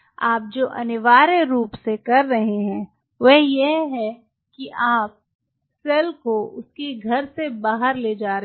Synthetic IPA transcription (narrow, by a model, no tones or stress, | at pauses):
aːp̚d͡ʒoːʔɐ̰nɪʋaːɾeɾuːpsekɐɾːɐɦeɦɛ̃ː | ʋɛɦjeɦɛ | kiʔaːp̚ | sɛːlkoʊskiɡʱɐɾsebaːɦəɾleːd͡ʒaːɾe